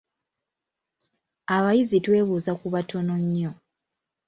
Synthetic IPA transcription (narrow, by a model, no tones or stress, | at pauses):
aβajizitwe̞ːβuːzakuβatʰo̞no̞ɲːo̞